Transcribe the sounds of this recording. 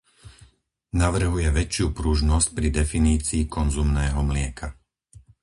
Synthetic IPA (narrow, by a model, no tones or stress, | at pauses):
naʋr̩ɦujɛʋɛt͡ʃɪupɾuʒnɔsc̚pɾid̪ɛfiniːt͡siːkɔnzumnɛːɦɔmlɪɛkʰa